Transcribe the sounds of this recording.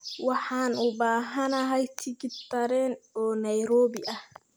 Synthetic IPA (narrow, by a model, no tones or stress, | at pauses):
wɑħɑːnʊbaːɦɐnɐɦɐjt̪ʰɪɡɪt̪ʰɐɾɛnɔːnɐjɾɔːbɪʔɐh